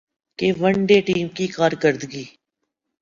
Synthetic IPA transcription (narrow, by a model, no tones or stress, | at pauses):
keʋəɳɖeʈiːmkikaːɾkəɾd̪ɡiː